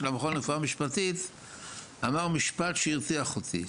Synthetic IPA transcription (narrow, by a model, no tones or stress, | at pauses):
lamaχonnefuamiʃpat̪it̪ | amaʁmiʃpat̪ʃeiʁt͡siaχot̪ḭ